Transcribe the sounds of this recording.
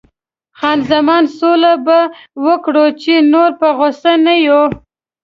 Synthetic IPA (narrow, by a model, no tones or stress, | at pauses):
xɑnzamɑnsolabawəkɽot͡ʃenoɾpəɣosanajo